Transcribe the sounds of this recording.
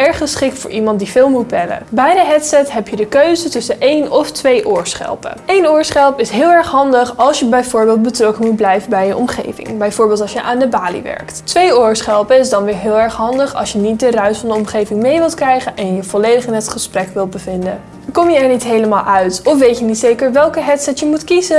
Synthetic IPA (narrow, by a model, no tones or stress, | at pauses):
ɛɹχəsχɪk̚tfʊ̰ːɹʔimɑnt̚divɪːlˠmut̚bɛlə̰bɛjdəɦɛtsɛtɦɛpjədəkøɥzətɵsəʔejnɔftʋejʔʊːɹsχɛ̰lˠpə̰ejnʊːɹsχɛlˠpɪsɦɪːlˠɛɹχɦɑndəχɑlˠsjəbɛjvʊːɹbɪːlˠt̚bətrɔkənmut̚blɛjvənbɛjəʔɔmχḛjvɪ̰ŋbɛjvʊːɹbɪːlˠtɑlˠsjəʔaːndəbaːlḭʋɛ̰ɹkttʋejʊːɹsχɛlˠpəɪzdɑnʋɪːɹɦɪːlˠɛɹχɦɑndəχɑ̰lˠsjənit̚dərœɥsfɑndəɔmχejvɪŋmejʋɪlˠtkrɛjχənʔɛnjəv̥ɔlejdəχɪnɦətχəsprɛkʋɪlˠt̚bəvɪndə̰ | kɔmjəɛɹnitɦejləmaːlˠʔœɥtɔfʋejtjənitsejkəɹʋɛlˠkəɦɛtsɛtjəmutkizə